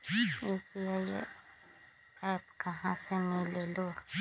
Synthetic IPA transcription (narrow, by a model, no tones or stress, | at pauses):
eːpiaḭ | ɛːpkɐɦãsemɪleloː